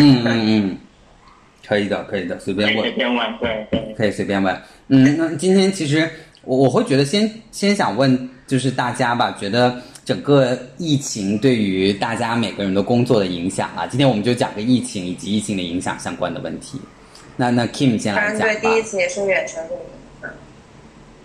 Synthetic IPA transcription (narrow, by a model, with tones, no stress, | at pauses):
n̩˥˩nn̩˥˩n̩˥˩ | kʰɤ˧˥i˨˩d̪ə˦kʰɤ˧˥i˨˩d̪ə˦swe˧˥ɪpjɛ˥nwpɛ˥nwa˧˥˦nt̪we˥˩ɪwe˥˩kʰɤ˧˥i˨˩swe˥pjɛ˥nwa˧˥˦n | n̩˥˩na˥˩t͡ɕi˥nt̪ʰjɛ˥nt͡ɕʰi˧˥ʂ̬ɻ̩˧˥ | wɔ˨˩wɔ˨˩xwe˥˩t͡ɕɥɛ˧˥d̪ə˧ɕjɛ˥nɕjɛ˥nɕjɑ̰˨˩ŋwə˥˩nt͡ɕjo˥˧ʊʂ̬ɻ̩˥˧t̪a˥˩t͡ɕja˥bɐ˨t͡ɕɥɛ˧˥d̪ə˧ʈ͡ʂə˨˩ŋkə˥˧i˥˩t͡ɕʰi˧˥ŋt̪we˥˩ɪy˧˥t̪a˥˩t͡ɕja˥me˨˩ɪɡə˧˥ɻə˧˥nd̪ə˧kʊ˥ŋt͡swɔ˥˩ɾə˩i˧˥ŋɕjɑ̰˨˩ŋlɐ̰˦t͡ɕi˥nt̪ʰjɛ˥wɔ˨˩m˧˦nt͡ɕo˥˩t͡ɕjɑ̰˨˩ŋɡə˧˦i˥˩t͡ɕʰi˧˥ŋi˨˩t͡ɕi˧˥i˥˩t͡ɕʰi˧˥ŋd̪ə˧i˧˥ŋɕjɑ̰˨˩ŋɕjɑ˥ŋkwa̰˥nd̪ə̰˨˧wə̰˥˩nt̪ʰḭ˧˥ | na˥˧na˥˩kʰi˥˩mt͡ɕjɛ˥˩nla˧˥n˥t͡ɕwe˥˧ɪt̪i˥˧˥i˥t͡ɕʰi˧˥jɛ˨˩ʂɻ̩˥˧ɥɛ˨˩nʈ͡ʂʰə˧˥ŋə˧˥˩ | ə˥˩